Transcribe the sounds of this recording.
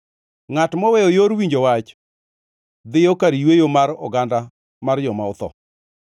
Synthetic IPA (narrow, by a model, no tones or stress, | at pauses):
ŋatmɔwɛojoɾwiɲd͡ʒowat͡ʃ | d̪ɪjokaɾijwejomaɾɔ̰ɡanda | mard͡ʒɔmaʊt̪ɔ̰